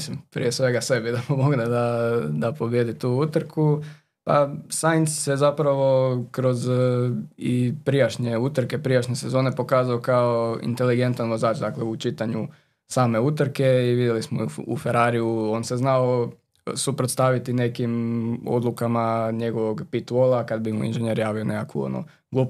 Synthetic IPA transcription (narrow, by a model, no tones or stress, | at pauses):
simpɾḭjesʋe̞ɡase̞bid̪apomoɡd̪ad̪ad̪apo̞bjed̪it̪uːut̪ɾkʰu | pa̰sajnssezapɾaʋo̞kɾo̞z | ipɾijaʃɲeut̪ɾke̞pɾijaʃɲese̞zo̞ːne̞po̞kaːzaokaoḭnt̪e̞liɡe̞nt̪anʋo̞zaːt͡ʃd̪akleut͡ʃit̪aɲu | saːme̞ut̪r̩ke̞iʋid̪jelismoṵfe̞ɾaɾijuo̞nse̞znao | supɾot̪st̪aʋit̪ine̞kimo̰d̪lukamaɲe̞ɡo̞ʋo̞ɡpit̪olˠakad̪bimuḭnʒeneɾjaːʋionekakṵo̰no̰ | ɡlup